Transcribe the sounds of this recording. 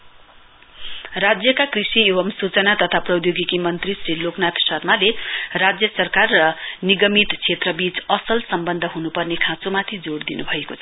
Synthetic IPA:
rad͡zjʌkakrisiebʌmsut͡sʌnat̪ʌt̪ʰaprʌwjoɡikimʌnt̪risriloknat̪sʌrmalerad͡zjʌsʌrkarːʌniɡʌmit̪t͡sʰet̪rʌbit͡sʌsʌlsʌmbʌnd̪ʱʌɦunupʌrnekʰãt͡somat̪ʰid͡zoɽd̪inṵbʱʌekot͡sʰʌ

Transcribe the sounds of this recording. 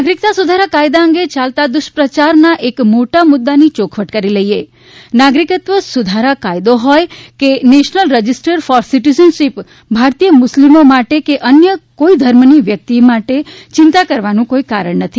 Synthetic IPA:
nnaɡɾik̚t̪asud̪ʱaɾakajd̪aəŋɡet͡ʃalt̪ad̪ʊʃpɾət͡ʃaɾnaʔekmoʈamʊd̪ːanit͡ʃokʰʋəʈkəɾiləie | naɡɾikət̪ʋəsud̪ʱaɾakajd̪oɦɔjkeneʃnəlɾəd͡ʒisʈəɾfɔɾsiʈizənʃip | bʱaɾt̪ijəmʊslimomaʈekeʔənjəkoid̪ʱəɾmniʋjək̚t̪imaʈet͡ʃɪ̃nt̪akəɾʋanũkoikaɾəɳnət̪ʰi

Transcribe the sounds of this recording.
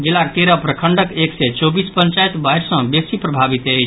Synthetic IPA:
d͡ʒilaɾt̪eɾəpɾəkʰəɳɖəkeksɛt͡ʃɔbispənt͡ʃajt̪bajɾsə̃bjək̚sipɾəbʱabit̪əjt͡ʃʰ

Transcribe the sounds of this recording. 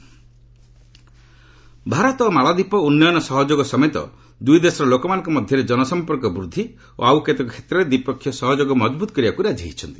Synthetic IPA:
bʱaɾɔt̪ɔːmaɭɔd̪ipɔunːɔjɔnɔsɔɦɔd͡ʒoɡɔsɔmet̪ɔ̰ | d̪ujd̪esɔɾɔlokɔmanɔ̃ŋkɔmɔd̪ʱjɔɾed͡ʒɔnɔsɔmpɔɾkɔbɾud̪ʱːi | o̰awket̪ɔkʰe̥t̪ɾɔɾed̪ipɔkʰːjɔsɔɦɔd͡ʒoɡɔmɔd͡ʒbut̪ɔ̥kɔɾiakuɾad͡ʒʱiɦit͡ʃʰɔnt̪i̥

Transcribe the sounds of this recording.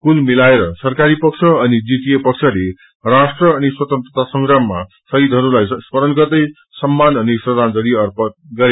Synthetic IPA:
kulmilaeɾʌsʌrkaɾipʌk̚t͡sʰʌːnid͡zitijepʌkt͡sʰʌle | rasʈrʌːniswʌt̪ʌnt̪rʌt̪asʌŋɡrʌmːa̰ | sʌɦid̪ʱʌɾulajspʌɾʌnɡʌrd̪ʌj | sʌmːanʌnisrʌd̪ʱand͡zʌɾiʌrpʌt̪̚ɡʌɾe

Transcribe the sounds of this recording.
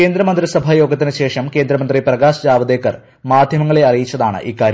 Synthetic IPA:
keːnd̪ɾɐmɐnd̪risɐbʱajo̞ːɡɐt̪ːinɨɕe̞ːʂɐmke̞ːnd̪ɾɐmɐnd̪riprɐɡaːsɐd͡ʑaːʋɐd̪e̞ːkːɐr | maːd̪ʱjɐmɐŋːɐɭe̞ɐrijit͡ɕːɐðaːɳɨ̰ʔiːkaːɾjɐ

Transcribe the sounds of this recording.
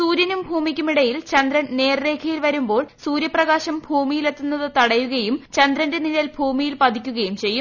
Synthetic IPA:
suːɾjɐnumbʱuːmikʲːumiɽɐjilt͡ɕɐnd̪ɾɐnne̞ːrɾe̞ːkʰɐjilʋɐɾumbo̞ːɭsuːɾjɐprɐɣaːɕɐmbʱuːmijile̞t̪ːunːɐðɨt̪ɐɽɐjuɣɐjumt͡ɕɐnd̪ɾɐnde̞nilɐlbʱuːmijilpɐd̪ʱikʲːuɣɐjumt͡ɕe̞jːu

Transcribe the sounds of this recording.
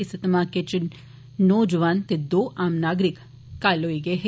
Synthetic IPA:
isɐt̪ɐmaːket͡ʃɪnː | oːd͡ʒəʋaːnt̪ed̪oːʔaːmnaːɡɾik | kːaːloːiɡeɦe

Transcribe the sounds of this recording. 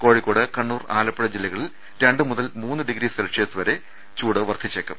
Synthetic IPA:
koːɻikːoːɽɨkɐɳːuːra̰ːlɐpːɐɽɐd͡ʑilːɐɣɐɭil | ɾe̞ɳɖɨmuðɐlmuːnːɨɖiɡɾiːsɐlɐkʂeːsɨʋɐɾe̞ | t͡ɕuːɽɨʋɐrt̪ʰit͡ɕːekːɐm

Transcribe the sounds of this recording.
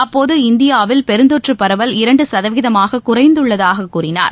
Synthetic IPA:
ɐpːoːðɯɪnd̪ɪjaːʋɪlpɛɾɯnd̪oʈrɯpːɐɾɐʋɐlɪɾɐɳɖɯsɐðɐʋɪðɐmaːɣɐkʊrɐɪnd̪ɯɭːɐðaːɣɐkːuːrɪna̰ːɾ

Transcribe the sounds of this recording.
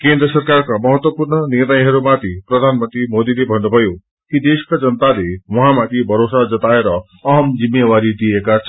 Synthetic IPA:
kend̪ɾʌsʌrkarkamʌɦʌt̪wʌpuɾɳʌniɾnʌjɦʌɾumat̪ʰipɾʌd̪ʱanmʌnt̪ɾimod̪ilebʱʌnːubʱʌjo | kid̪eskad͡zʌnət̪alewɔ̃ɦãmat̪ʰibʱʌɾosad͡zʌt̪aeɾʌː | ɦʌmd͡zimːjewaɾid̪ijekat͡sʰʌ

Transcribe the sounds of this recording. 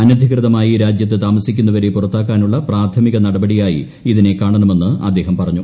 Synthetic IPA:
ɐnɐd̪ʱikrɨðɐmaːjiɾaːd͡ʑjɐt̪ːet̪aːmɐsikʲːunːɐʋɐɾepurɐt̪ːaːkːaːnuɭːɐpraːt̪ʰɐmiɣɐnɐɽɐbɐɽijaːjḭ | iðine̞kːaːɳɐnɐme̞nːɨɐ̰d̪ːe̞ːɦɐmpɐrɐɲːu

